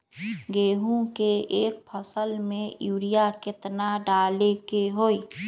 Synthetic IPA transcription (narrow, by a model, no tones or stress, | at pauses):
ɡeːɦũkeeːk̚pʰəsəlmẽjuːɾijakɪt̪naɖaːlekeɦoːi